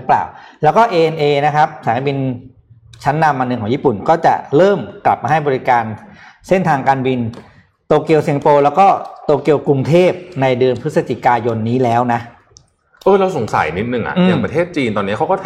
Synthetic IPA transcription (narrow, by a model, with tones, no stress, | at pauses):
pla̰ː˨˩wlɛː˦˥wkɔː˥˩ʔeː˧ʔe˧nʔeː˧na˦˥kʰa˦˥p̚saː˨˩˦na˧˥bi˧n | t͡ɕʰa˦˥nːa˧mʔa˧nːɯ˧ŋkʰɔː˩˦ji˥˩pu˨˩nkɔː˥˩t͡ɕa̰˨˩ɾɤː˥˩mkla̰˨˩p̚maː˧ɦa˥˩jbɔː˧ɾi˦kaː˧nse˥˩nt̪ʰaː˧ŋkaː˧nwi˧n | t̪oː˧ki˧əwsi˧ŋpoː˧lɛː˦˥wkɔː˥˩t̪oː˧ki˧əwku˧ŋt̪ʰeː˥˩p̚na˧jdɯ˧ənpʰɯ˦˥sa˧t͡ɕi˨˩kaː˧jo˧nːiː˦˥lɛː˦˥wna˦˥ʔ | ʔɤː˧ɾa˧wso˨˩˦ŋsa̰˨˩˦jni˦˥t̪̚nɯ˨˩ŋʔa̰˨˩ʔɯː˧jaː˨˧pɾa˧t̪ʰeː˥˩t̪̚t͡ɕiː˧nt̪ɔː˧nːi˦˥ɐkʰa˦˥wkɔ˥˩t̪ʰ